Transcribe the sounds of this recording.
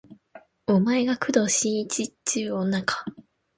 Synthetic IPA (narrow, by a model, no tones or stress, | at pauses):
omae̞ɡakʰɯ̟d̪o̞ɕĩɰit͡ɕit͡ɕɨːonakʰḁ